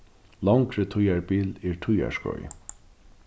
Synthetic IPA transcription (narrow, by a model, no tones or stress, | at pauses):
lawŋkɾət̪ʰʊjaɹbiːlɛɹʈʰʊja̰ʂkɔ̰j